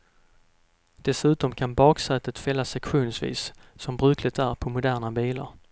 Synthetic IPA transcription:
d̪̥ɛsʉ̟ːt̪ɔmkʰanbɑːksɛːt̪ət̪fɛlːasɛkɧuːnsvḭːssɔmbɾʉ̟ːkʰlɪt̪ʰæɾpʰɔmʊd̪æːnabiːla̰ɾ

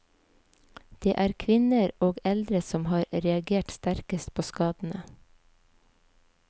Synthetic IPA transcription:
d̪̥eːʔæːɾkʰʋɪnəɾoːɡɛld̪ɾəsɔmhɑːɾɾɛɑɡeːʈst̪æɾkəst̪̚pʰoːskɑːd̪n̩ə

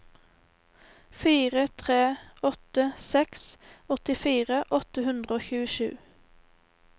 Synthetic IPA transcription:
fiːʁət̪ʰʁeːɔt̪əsɛksɔt̪ɪfiːʁəʔɔt̪əhʉnd̪ʁəoːçʉːəʃʉ̰ː

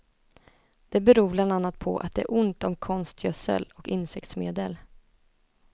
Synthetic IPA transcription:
d̪̥ɛbɛɾuːbland̪anːat̪̚pʰɔ̰ʔa̰t̪̚d̪ɛæʔʊnt̪ɔmkʰɔnst̪ʰjœsə̰lɔkɪnsɛk̚t̪smeːd̪əl

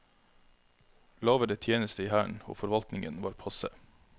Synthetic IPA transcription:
lɑːʋəɖeːt̪ʰjeːnəst̪əiːhæːɳo̰ːfɔɾʋɑlt̪nɪŋənʋɑːɾpʰɑsə

